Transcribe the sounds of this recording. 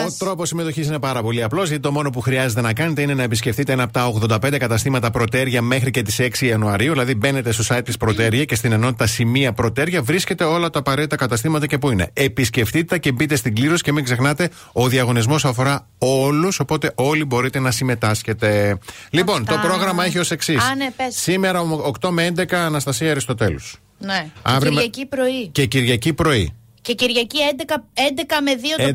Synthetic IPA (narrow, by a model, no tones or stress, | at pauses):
ot̪ɾo̞posːime̞t̪o̞çis̬ine̞pɐɾɐpo̞liɐplo̞zʝɐt̪it̪o̞mo̞no̞p̬uxɾiɐze̞t̪e̞nɐkɐne̞t̪e̞ine̞nɐepisce̞fθit̪eenɐpot̪ɐo̞ɣðond̪ɐpend̪e̞kɐt̪ɐst̪imɐt̪ɐpɾo̞t̪e̞ɾʝɐme̞xɾice̞t̪ise̞ksiɐnuɐɾiuðilɐðibe̞ne̞t̪e̞st̪osɐjt̪ːispɾo̞t̪eɾʝɐce̞st̪ine̞no̞t̪it̪ɐsimiɐpɾo̞t̪e̞ɾʝɐvɾisce̞t̪e̞o̞lɐt̪ɐːpɐɾe̞t̪it̪ɐkɐt̪ɐst̪imɐt̪ɐce̞puine̞̰episce̞ft̪it̪eɐce̞bit̪e̞st̪iɡliɾosi̥ce̞miŋɡze̞xnɐt̪e̞ | o̞ðiɐɣo̞nizmo̞sɐfo̞ɾɐ | o̞luso̞po̞t̪e̞ʔo̞libo̞ɾit̪e̞nɐsime̞t̪ɐsce̞t̪e̞ | lipo̞nt̪o̞pɾo̞ɣɾɐmɐeçio̞se̞ksissnsime̞ɾɐmokt̪o̞meend̪e̞kɐːnɐst̪ɐsiɐeɾist̪o̞t̪e̞los | neɐvɾiɾmɐcipɾoiceciɾʝɐcipɾo̞i | ceciɾʝɐciend̪ekɐend̪ekɐmeðio